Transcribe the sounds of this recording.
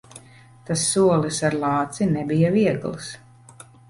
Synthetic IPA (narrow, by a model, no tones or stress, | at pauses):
t̪asːuɔlˠisaɾlˠɑːt̪sinɛbijaviɛɡlˠs